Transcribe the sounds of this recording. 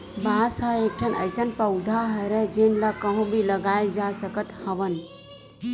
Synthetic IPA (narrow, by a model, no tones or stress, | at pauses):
basəek̚ʈʰənə̰jsənpəwd̪ʱaɦəɾəd͡ʒenlakəɦũbʱiləɡaed͡ʒasəkət̪həʋən